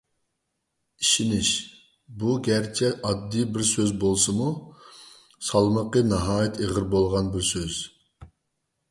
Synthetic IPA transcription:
iʃinɪʃ | buɡʲæɾt͡ʃʰɛʔɑd̪ːibɪɾsøzbolˠsɨmu | sɑlˠməqənɑɦɑːjit̪ʰeʁəɾbolˠʁɑnbɪɾsøz̥

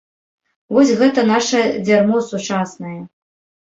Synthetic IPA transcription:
vɔsʲɣɛt̪ɐnaʂɐd͡zʲarmɔsut͡ʂasnɐjɐ

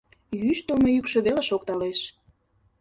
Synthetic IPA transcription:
jyʃt̪əlmojykʃø̆βeleʃokt̪ɑleʃ

